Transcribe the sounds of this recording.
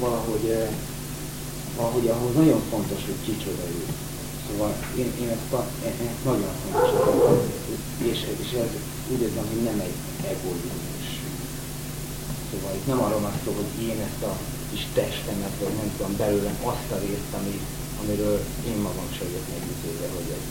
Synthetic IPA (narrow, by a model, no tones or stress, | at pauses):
vɒlɒɦo̞ɟ | vɒlɒɦo̞ɟɒɦoznɒɟo̞ɱfo̞nt̪o̞ʃho̞ckit͡ʃødɛɾy | soːvɒl | eːneːnɛst̪ɒ | ɛʔɛnɒɟoɱfo̞nt̪o̞ʃɒkɒ | eːʃeːʃɛz | uːɟd̪ezɛmɦo̞ɟnɛmɛɟ | ɛɡolineʃ | soːvɒlit̪nɛmɒɾolɒsːoːlɦo̞ɟeːnɛst̪ɒ | kiʃt̪ɛʃt̪ɛnɛt̪vɒɟnɛmt̪ud̪ombɛløːlɛnʔɒst̪ɒɾeːst̪ɒmi | ɒmiɾøːl | eːmmɒɡɒmʃɒot̪nɛɟyt̪øːvɛɦo̞ɟɛ